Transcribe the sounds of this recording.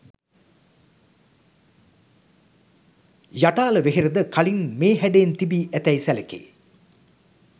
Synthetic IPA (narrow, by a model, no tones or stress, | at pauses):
jaʈaːləʋeɦeɾəd̪əkalinmeːɦæɖeːnt̪ibiːʔæt̪ɛjsælekḛː